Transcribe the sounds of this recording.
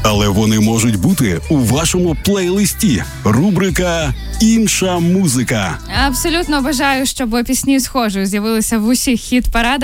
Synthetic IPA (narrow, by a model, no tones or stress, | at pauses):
ɐlˠɛʋɔnɪmɔʒʊtʲbut̪ɪuʋɑʃɔmʊplˠɛjlˠɪsʲtʲi | rubɾɪkɐinʃɐmuzɪkɐ | ɐpsɔlʲut̪nɔːbɐʒɑjʊʃt͡ʃɔbɐpʲisʲnʲisxɔʒʊjʊzʲjɐʋɪlˠɪsʲɐʋʊsʲixːʲit̪pɐɾɑd̪